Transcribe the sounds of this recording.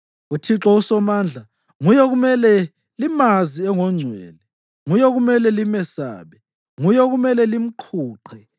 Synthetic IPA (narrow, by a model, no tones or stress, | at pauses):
utʰiǁɔusɔmaːnd͡ɮʱa | ŋujɔɣumɛlɛ | limaziɛŋɔŋ͡ǀʱwɛːlɛ | ŋujɔɣumɛlɛlimɛsa̰ːβɛ | ŋujɔɣumɛlɛlim̩ǃʰuːǃʰɛ